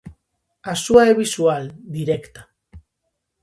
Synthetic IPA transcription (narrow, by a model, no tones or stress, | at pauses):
asuaeβisuald̪iɾe̞kt̪ḁ